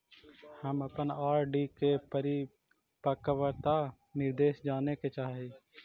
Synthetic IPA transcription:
həməpənaːɾɖiːkepəɾi | pəkəʋəɾt̪a | nɪɾd̪eːʃd͡ʒaːneket͡ʃaːɦeː

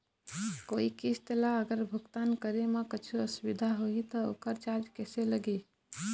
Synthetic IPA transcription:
koikist̪elaəɡəɾbʱuɡt̪ankəɾeməkət͡ʃʰuəsubid̪ʱaɦoit̪ɔo̰kəɾt͡ʃad͡ʒkɛseləɡe

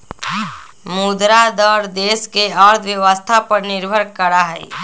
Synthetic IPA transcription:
mud̪ɾad̪əɾd̪eːskeəɾd̪ʰʱʋjəʋəst̪ʰapəɾnɪɾbʱəɾkəɾaɦɛ̰ː

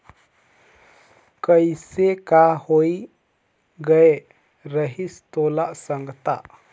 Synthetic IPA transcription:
kəjsekahoj | ɡəj | ɾəɦist̪ɔlaʔsəŋɡət̪aʔ

